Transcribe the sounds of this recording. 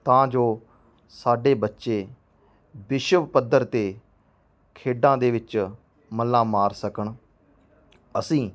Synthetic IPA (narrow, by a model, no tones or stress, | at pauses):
t̪ãːd͡ʒoː | saːɖeːbətːʃeː | bɪʃəʋpəd̪ːəɾt̪eː | kʰeːɖãːd̪eːʋɪt͡ʃ | məlːãːmaːɾsəkəɳ | əsĩː